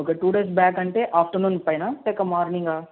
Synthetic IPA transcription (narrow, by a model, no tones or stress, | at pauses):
ɦoːkeʈuːɖeːsbɛːɡɐɳʈeʔaːfʈəɾnuːnpɐjnat̪ekɐmɔːɾnĩŋɡaː